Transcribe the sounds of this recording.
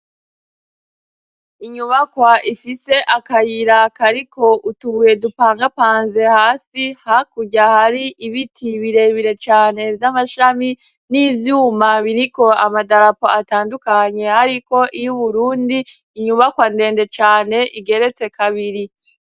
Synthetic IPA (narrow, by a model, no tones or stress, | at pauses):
iɲuβakwaʔifise̞ʔakajiɾakaɾikʰo̞ʔutuβuje̞dupaːŋɡapaːnze̞haːsihakuɟahaɾiʔiβitʰiβiɾe̞βiɾe̞t͡ʃaːne̞vjamaʃami | niːvjuːmaβiɾiko̞amadaɾapoataːndukaɲe̞haɾiko̞ʔijuβuɾuːndiː | ɲuβakwande̞ːnde̞t͡ʃaːne̞ʔiɡe̞ɾe̞t͡se̞kʰaβiɾi